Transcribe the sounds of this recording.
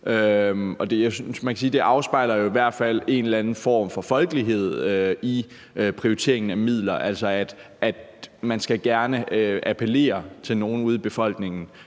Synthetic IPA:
ʔøɒ̽d̥jasynsmænkʰæsiːd̥e̝ʔɑ̈ʊsb̥ɑ̈ɪ̰lɐjo̝iʋæɐ̰d̥fæl̰e̝nlænn̩fɒ̰ːmfɒ̽fɒ̽lɡ̥əliɦe̝ð̞̰ˠøi | pʰʁioit͡sʰe̝̰ɐ̰e̝ŋn̩æmið̰ˠlɐʔæl̰sɒ̽æd̥ʔæd̥mænsɡ̥æɡ̥æɐnəøʔæpʰəle̝̰ːɐt͡sʰe̝lno̝ːn̩uð̞ˠib̥e̝fɒ̽l̰ɡ̥ne̝ŋn̩

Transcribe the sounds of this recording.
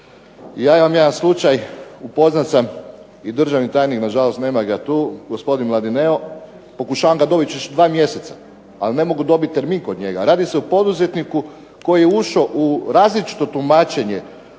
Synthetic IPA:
jaːimamjed̪anslˠut͡ʃajupo̞znat̪sam | id̪r̩ʒaʋnit̪aːjniknaʒalo̞st̪ne̞ːmaɡat̪uːɡospo̞d̪inmlˠad̪ineo | po̞kuʃaːʋamɡad̪o̞bit̪t͡ɕut͡ʃd̪ʋaːmje̞se̞t̪sḁ | alne̞mo̞ɡud̪o̞bit̪̚ʲt̪ːe̞ɾmiːŋko̞d̪ɲe̞ɡa̰ɾaːd̪ise̞upo̞d̪uze̞t̪niku | ko̞jijeuʃoʔuɾaːzlit͡ʃi̥t̪o̞t̪umaːt͡ʃe̞ɲe̞

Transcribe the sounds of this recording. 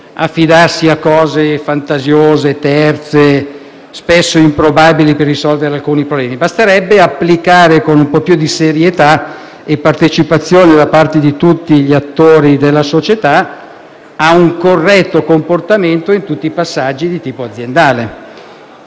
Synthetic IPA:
afːid̪arsiakːɔːzefant̪azjoːzet̪ɛrt̪se | spɛsːoimpɾobabiliperːisɔlveɾealkuːnipɾoblɛːmibast̪eɾɛbːeapːlikaːɾekonumpɔpjud̪iseɾjet̪a | epːart̪et͡ʃipat̪sːjoːned̪apart̪ed̪it̪ut̪ːiʎiat̪ːoːɾid̪elːasot͡ʃet̪a | auŋkorːɛt̪ːokomport̪ament̪oint̪ut̪ːiːpasːad͡ʒːid̪it̪iːpoad̪zːjend̪aːle

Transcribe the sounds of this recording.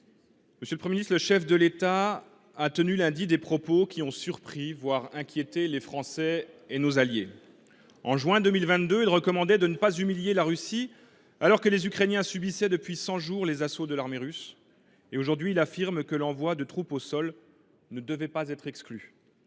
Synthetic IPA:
məsjøləpχəmeinist̪ləʃɛfd̪əlet̪a | at̪ənylɛ̃d̪id̪epχɔpokʲiɔ̃syʁpχivwaʁɛ̃kʲjet̪elefχɑ̃sɛenozalje | ɑ̃ʒɥɛ̃d̪ømilvɛ̃t̪̚d̪øilʁəkɔmɑ̃d̪ɛd̪ənəpazymiljelaʁysi | alɔʁkəlezykχenjɛ̃sybisɛd̪əpɥisɑ̃ʒuʁlezasod̪əlaʁmeʁys | eoʒuʁd̪ɥiːlafiʁmkəlɑ̃vwad̪ət̪χuposɔl | nəd̪əvɛpazɛt̪χɛkskly

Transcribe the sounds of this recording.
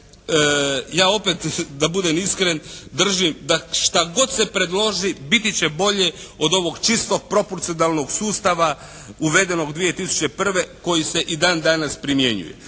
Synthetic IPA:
jaːo̞pet̪d̪abud̪emiskɾend̪r̩ʒimd̪aʃt̪aɡo̞d̪sepɾe̞d̪lˠo̞ʒibit̪it͡ɕe̞bo̞ʎeo̞d̪o̞ʋo̞ɡt͡ʃist̪o̞ɡ̚pɾo̞poɾt̪sio̞nalˠno̞ɡsuːst̪aʋa | uʋe̞d̪eno̞ɡd̪ʋije̞t̪isu̥t͡ɕe̞pr̩ʋe̞ko̞jise̞ʔid̪aːnd̪anaspɾimje̞ɲṵjḛ

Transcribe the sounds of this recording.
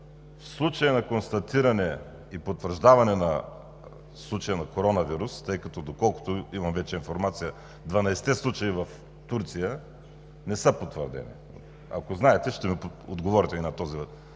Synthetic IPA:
fslˠut͡ʃɐjɐnɐkonst̪ɐt̪iɾɐnɛ | ipot̪vəɾʒd̪avɐnɛnɐ | slˠut͡ʃɐjənɐkoɾɔnɐviɾust̪ɤjkɐt̪ɔd̪okɔlˠkʊ̥t̪oimɐmvɛt͡ʃɛinfoɾmat̪sijə | d̪vɐnɐjsɛ̥t̪ɛslˠut͡ʃɐivɐf | t̪uɾt̪sijə | nɛsəpot̪vəɾd̪ɛ̰nḭ | a̰koznaɛt̪ɛʃt̪ɛmipod̪ɡovɔɾit̪ɛninɐt̪ɔzivt̪

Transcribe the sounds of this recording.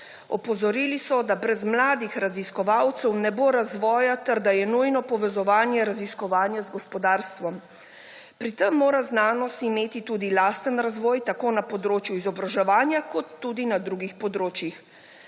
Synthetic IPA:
ɔ̰pɔzɔɾiːlisɔd̪abɾɛzmlaːd̪ixɾaziskɔʋawt̪sɛwnɛboɾazʋɔːjat̪ɛɾd̪ajɛnujnɔpɔʋɛzɔʋaːnjɛɾaziskɔʋaːnjazɡɔspɔd̪aːɾst̪ʋɔm | pɾit̪əmːoːɾaznaːnɔst̪imeːt̪it̪uːd̪ilaːst̪ənɾazʋɔːjt̪akoːnapɔd̪ɾoːt͡ʃjuizɔbɾaʒɛʋaːnjakɔt̪ːuːd̪inad̪ɾuːɡixpɔd̪ɾoːt͡ʃjix

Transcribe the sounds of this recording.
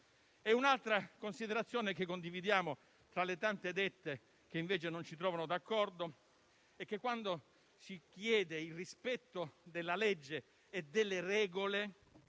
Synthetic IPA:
ɛunalt̪ɾakonsid̪eɾat̪sːjoːnek̟ekːond̪ivid̪jaːmo | t̪ɾalet̪ant̪ed̪ɛt̪ːe | k̟eiɱveːt͡ʃenont͡ʃit̪ɾɔːvanod̪akːɔrd̪o | ɛk̟ːekːwand̪o | sikjɛːd̪eilrispɛt̪ːod̪elːalɛd͡ʒːeː | d̪elːerɛːɡole

